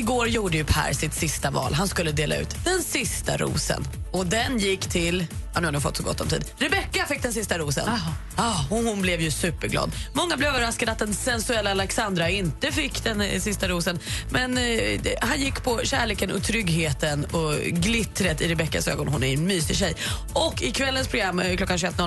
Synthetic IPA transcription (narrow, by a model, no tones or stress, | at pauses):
ɪɡoːɾjuːɖəjɵpʰæ̰ːɾsɪt̪sɪst̪avɑ̰ːlɦanskɵlːəd̪eːla̰ʉ̟ːt̪d̪ɛnsɪst̪a̰ɾṵːsə̰nɔd̪ɛnjɪkːt̪ʰɪlːnʉhad̪nuːfɔ̰t̪ːsɔɡɔ̰t̪ːɔmt̪ḭːd̪ɾɛbɛkːafɪk̚ːd̪ɛns̬ɪst̪aɾuːsə̰n | hʊnblɛvjɵsʉ̟ːpəɾɡlɑ̰ːd̪mɔŋːablɛvøːvəɾaskad̪əat̪̚d̪ɛnsɛnsɵɛlːaalɛksand̪ɾaɪnt̪əfɪkːd̪ɛnsɪst̪aɾuːsənmɛnhanjɪkːpʰɔɕæːɭeːkənɔ̰t̪ʰɾʏɡɦeːt̪ənɔɡlɪt̪ɾət̪ɪɾɛbɛkːa̰sø̰ːɡɔnɦʊnæɾnmyːsɪɕɛj | ɔkːɪkʰvɛlːənspʰɾʊɡɾamːkʰlɔkːanɕ̬ɵɛt̪nɔl